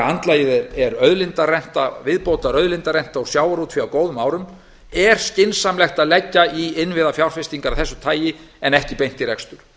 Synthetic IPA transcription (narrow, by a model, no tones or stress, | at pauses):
ant̪laːjɪðɛɾɛɾœðlɪnt̪arɛn̥t̪avɪðpoːwt̪aɾœðlɪnt̪aɾɛjn̥t̪aasjaːwaɾut̪fiawkoːwðʏmaːwɾʏm | ɛɾ̥scɪnsamlɛxt̪aðlɛcːaiɪnvɪðafjawɾ̥fɪst̪iŋkaɾaθɛsːʏt̪ʰaːjɪ | ɛnɛhcɪpejn̥t̪iɾɛkst̪ʏɾ̥